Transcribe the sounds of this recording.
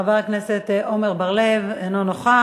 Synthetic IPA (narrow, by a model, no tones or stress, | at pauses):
avaʁkneset̪o̞meʁbaʁlevenonoχa